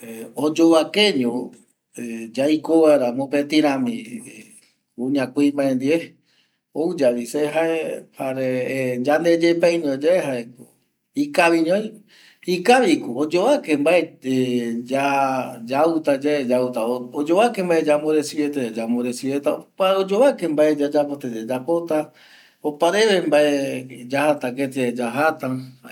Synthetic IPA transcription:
eod͡ʒoβakeɲõ | ed͡ʒajkoβaeɾamõpet̪ĩɾãmĩ | uɲãkʷimbaẽnd̪ie | oud͡ʒaβiseɦaehaɾed͡ʒand̪ed͡ʒepajɲõd͡ʒaeɦaeku | ikaβiɲõj̃ | ikaβikuod͡ʒoβakembaeed͡ʒad͡ʒawt̪ad͡ʒaed͡ʒawt̪aood͡ʒoβakembaed͡ʒamoɾesiβet̪aad͡ʒamoɾesiβet̪akʷaod͡ʒoβakembaʔed͡ʒad͡ʒapot̪ed͡ʒed͡ʒapot̪a | opaɾeβembaed͡ʒahat̪aket̪ed͡ʒaɦat̪aa

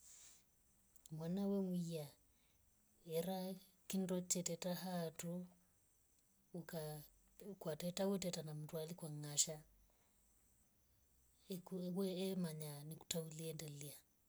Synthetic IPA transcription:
mwanawɛmwia | ɛɾa | kindɔt͡ʃɛtɛtaɦatʰu | ka | kwatɛtawɛtɛtanamutwalikwaŋaʃa | ukwɛːmaɲaniku̥tauliɛndɛlia

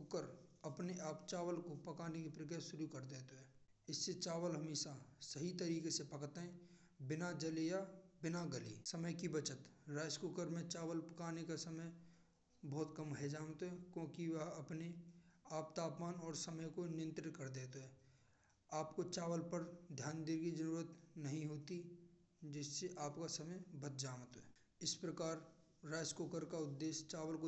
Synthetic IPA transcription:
kʊkəɾəpneʔaːpt͡ʃaːʋəlkopəkaːnekipɾəkjasʊɾukəɾd̪eːt̪oɦɛː | ɪsːet͡ʃaːʋəlɦəmiːʃasəɦit̪əɾiːkesepəkt̪ɦɛ̃ | bɪnad͡ʒəlejabɪnaɡəlḭsəməjkibət͡ʃət̪ɾaːskʊkəɾmẽt͡ʃaːʋəlpəkaːnekasəməj | bɔːt̪kəmɦɛd͡ʒaːʋt̪ɦɛkjõːkiʋɐɦɐpneaːpt̪aːpmaːnɔːɾsɐməjkonɪjə̃nt̪ɾɪt̪kɐɾd̪eːt̪oɦɛː | aːpkot͡ʃaːʋəlpəɾd̪ʱjaːnd̪ɪɾkid͡ʒəɾuːɾət̪nɐɦĩɦoːt̪i | d͡ʒɪsːeʔaːpkasɐməjbɐt̪d͡ʒaːʋət̪ɦɛː | ɪspɾəkaːɾ | ɾaːskoːkəɾkaʊd̪ːeːʃt͡ʃaːʋəlko

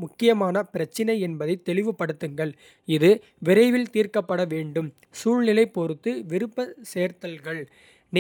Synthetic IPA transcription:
mʊkːɪjɐmaːnɐpɪɾɐt͡ʃːɪnɐɪɛnbɐðɐɪt̪ːɛlɪʋɯpːɐɽɯt̪ːɯŋɡɐɭ | ɪðɯ | ʋɪɾɐɪʋɪlt̪iːrkɐpːɐɽɐʋeːɳɖɯm | suːɻnɪlɐɪpːɔɾɯt̪ːɯʋɪɾɯpːɐseːɾt̪ɐlɣɐɭ | n

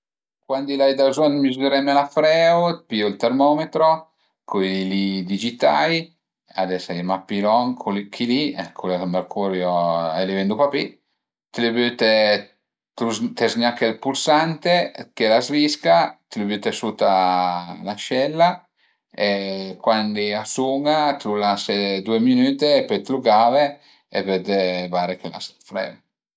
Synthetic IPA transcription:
kwand̪ilajd̪azɔnmizuɾɛmɛlafɾɛwpiolt̪ɛɾmɔmet̪ɾɔ | kʰojilid̪id͡ʒit̪a̰j | a̰d̪ɛsajmapːilɔŋkʰolkʰilikʰulamerkʰuɾjɔɛlevɛnd̪upapi | t̪elebøt̪ɛ | t̪ut̪ɛzɲakelpulsant̪ekelazviskat̪lubyt̪esut̪a | laʃɛlːa | ekwandiasuŋat̪lulased̪ueminyːt̪epøt̪luɡaːve | ḛvød̪evaɾekela̰sfɾɛ̰v

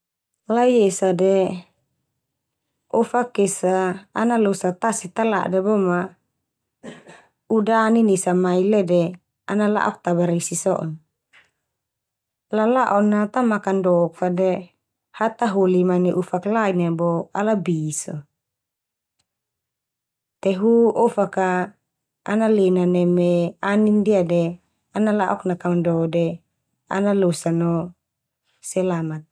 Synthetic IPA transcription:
laiesadɛ | ɔfakesaːnalosat̪asit̪ala̰ʔdɛbɔma | udaninisamailɛdɛ | anala̰ʔɔk̚t̪abaɾisisɔʔɔ̰n | lalaʔɔnat̪amakandɔk̚fadɛ | hat̪aɦolimanɛʔufaklainabɔalabisɔ̰ | t̪ɛɦuofaka | analenanɛmɛanindiadɛ | analaʔɔknakandɔdɛ | a̰nalosanɔ | sɛlamat̪̚

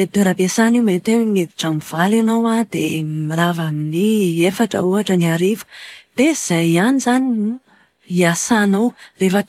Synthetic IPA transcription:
et̪eɾapesanimet̪eneviʈ͡ʂamiv̥alanowad̪̥emilavaminiefaʈ͡ʂə̰uaʈ͡ʂəniaɾivə̥d̪̥eiz̥ajanizani | iasanowrefə

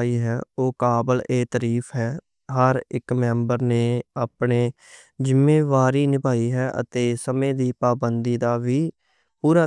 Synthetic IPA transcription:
iːɦɛːoːkaːbəleːt̪əɾiːpʰɦɛː | ɦəɾɪkmɛ̃ːmbəɾneːaːpɳeː | zɪmːeːʋaːɾiːnɪpaːiːɦɛːʔə̰t̪eːsəmẽːd̪iːpaːbənd̪iːd̪aːʋiː | huːɾaː

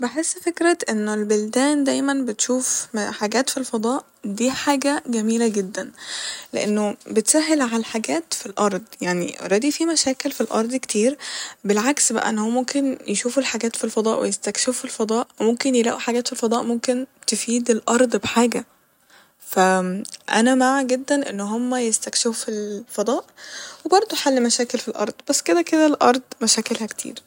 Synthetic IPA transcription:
beħesːfekɾæt̪ʔenːolbold̪æːnd̪æjmænbet̪ʃuːfħaɡæːt̪filfɑd̪ˤɑːʔ | d̪iːħaːɡæɡæmiːlæɡed̪ːænlḛʔenːobet̪sæɦːelʕalæħaɡæːt̪filʔɑɾˤd̪ˤjaʕnḭɾˤɑːd̪ifiːmæʃæːkelfilʔɑ̰ɾˤd̪ˤkt̪iːɾbelʕaksbæ̰ʔæ̰ʔḛnːæhowːmomkenjeʃuːfulħaɡæːt̪filfɑd̪ˤɑːʔwḛjest̪ækʃefuilfɑd̪ˤɑːʔwemomkenjelæːʔuħaɡæːt̪filfɑd̪ˤɑːʔmomkent̪efiːd̪elʔɑɾˤd̪ˤbħaːɡæ | fæʔænæmaʕaɡed̪ːænʔḛnːɦomːæjest̪ækʃefufilfɑd̪ˤɑːʔwebɑɾˤd̪ˤoħalːimæʃæːkelfilʔɑ̰ɾˤd̪̥ˤbæsːked̪æked̪ælʔɑɾˤd̪ˤmæʃækelhækt̪ʰḭːɾ

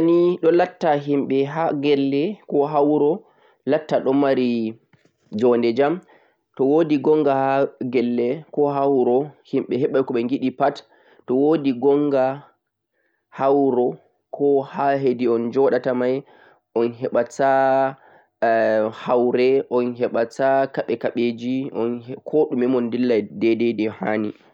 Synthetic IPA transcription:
aniɗɔlatːaɦimɓɛɦaɡɛlːɛkɔɦawɾɔ | latːaɗɔmaɾi | d͡ʒɔndɛd͡ʒam | tɔwodiɡɔŋɡahaɡɛlːɛkɔɦawɾɔhimɓɛɦɛɓajkɔɓɛŋɡiɗipatː | ɔwodiɡɔŋɡa | hawɾɔ | kʰɔhaɦediɔnd͡ʒɔɗatamaj | ʔɔnɦɛɓata | hawɾɛʔɔnɦɛɓatakaɓɛkaɓed͡ʒiʔɔnkʰoɗumɛmɔndilːadɛdɛdɛhaːni

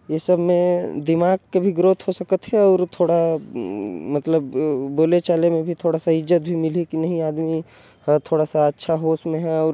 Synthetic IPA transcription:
jesəbʱmẽd̪ɪmaːɡ̚kebʱiɡɾoːt̪ɦosɐkət̪ɦɛɔːɾt̪ʰoːɽa | mɐt̪ləbːoːlet͡ʃaːlemẽbʱit̪ʰoːɽasaɪzːət̪̚bʱimɪlikinɐɦĩaːd̪mi | t̪ʰoːɽasaɐtːʃʰaɦoːsmẽɦɛɔːɾ

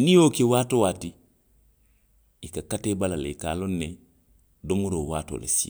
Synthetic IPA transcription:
nijoːkewaːtowati | ikakatebalalḛika̰lonːe | domuɾoːwa̰ːto̰ːlḛsi

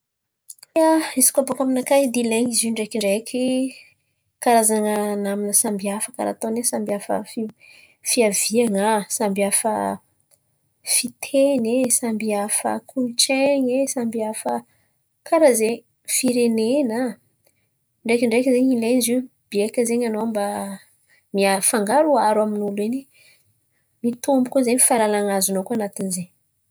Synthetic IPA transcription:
aisi̥kapokaminakad̪ileɲizuɳɖ͡ʐekiɳɖ͡ʐekʰʲi | kaɾazaŋənaminəsambiafəka̰ɾa̰t̪onesambiafə̰fi | fiaviaŋasambiafə̰ | fit̪ʰenesambiafə̰kʰunʈ͡ʂeɲesambiafə | kʰaɾazeɲ | fiɾenena | ɳɖ͡ʐekʲɳɖ͡ʐekʲzeɲilenizewb̥iekʲəzeɲanoamba | miafaŋɡaɾuaɾaminulene | mit̪umbukʲozeɲifalalaŋazunokuanat̪inizeɲ

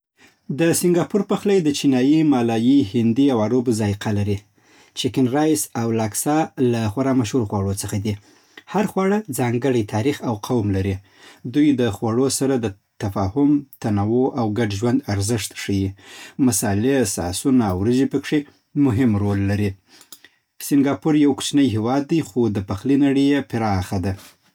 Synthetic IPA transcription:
d̪əsɪŋɡɑpuɾpəxlajd̪ət͡ʃinɑjimɑlɑjihɪnd̪iawaɾobzɑjqʰalaɾi | t͡ʃɪkɪnɾɑjsawlɑksɑlaxwaɾɑmaʃhuɾxwaɽot͡səxad̪i | haɾxwɑɽəd͡zɑŋɡəɽajt̪ʰɑɾixawqʰawmlaɾi | d̪ujd̪əxwaɽosaɾad̪ə | t̪afɑhʊmt̪anawoʔawɡaɖʒwand̪aɾzɪʂt̪ʂəjimasɑlesɑ̰sunaːwɾəd͡ʒepəkʂe | mʊɦɪmɾolːaɾi | sɪŋɡɑpʊɾjawku̥t͡ʃnəjɦewɑd̪̚ːajxod̪əpaxlinaɽəjepɪɾɑːxad̪a

